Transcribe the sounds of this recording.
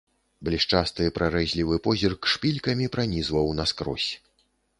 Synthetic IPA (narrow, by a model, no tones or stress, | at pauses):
blʲiʂt͡ʂast̪ɨpɾaɾɛzʲlʲivɨpɔzʲirkʂpʲilʲkɐmʲipɾanʲizvɐwnɐskɾɔ̰sʲ